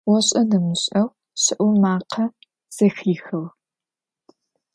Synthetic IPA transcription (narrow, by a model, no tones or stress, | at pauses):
wɔɕʼɐnɐmɨɕʼɐw | ɕɪʔʷʊmaːqʰɐ | z̥ɐxiːxɐw